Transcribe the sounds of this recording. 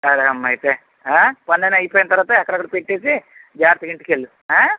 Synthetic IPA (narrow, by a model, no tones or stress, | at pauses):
sɐɾeɐmːɐɐjt̪e | apɐnːɐnɐjpoːjinɐt̪ɐɾʋaːt̪ɐɛkːɐɽɐkɐɽɐpeʈːe̞ːsid͡ʒaːɾt̪ɐiɳʈikeɭːu | ɦaː